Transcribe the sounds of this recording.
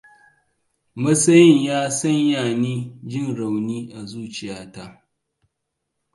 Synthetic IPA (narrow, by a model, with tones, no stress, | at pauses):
mɐ˦sɐ˦jɪ˦ɲjaː˦sɐ˦ɲjaː˨niː˦d͡ʒɪ˦˨nɽa˨wniː˦ʔa˨zuː˦t͡ʃɪ˨jaː˦ta˦